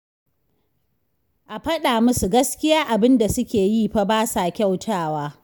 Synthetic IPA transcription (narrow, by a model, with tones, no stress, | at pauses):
ʔa˨ɸɐ˦ɗaː˨mʊ˦su˨ɡɐ˦skʲɪ˦jaː˦ʔa˨bɪ˦nda˨sʊ˦kʲeː˨jiː˦˨ɸa˦baː˦sa˨kʲa˦˨wtʰaː˦˨waː˦